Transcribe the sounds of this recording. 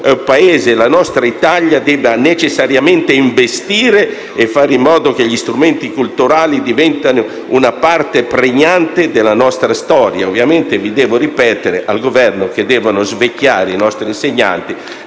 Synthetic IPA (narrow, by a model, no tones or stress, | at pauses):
paeːzelanɔst̪ɾait̪aʎːad̪ɛːbanet͡ʃesːaɾjamɛnt̪eiɱvest̪iːɾeː | fːaːɾimːɔːd̪ok̟eʎist̪ɾumɛnt̪ikult̪uɾaːlid̪ivɛnt̪ano | unapart̪epɾeɲːant̪ed̪elanɔst̪ɾast̪ɔːɾjaovːjament̪evid̪ɛːvoɾipɛːt̪eɾeʔalɡovɛrnok̟ed̪ɛːvanozvekːjaːɾeinɔst̪ɾinseɲːa̰nt̪i